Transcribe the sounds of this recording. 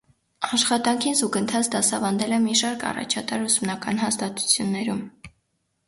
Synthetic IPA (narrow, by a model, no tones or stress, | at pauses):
ɑʃχɑt̪ɑŋkʰinzuɡənt̪ʰɑt͡sʰd̪ɑsɑvɑnd̪ɛlɛmiʃɑɾkʰɑ̰rɑ̰t͡ʃʰɑt̪ɑɾusumnɑkɑnɦɑst̪ɑt̪u̥t͡sʰjunːɛɾum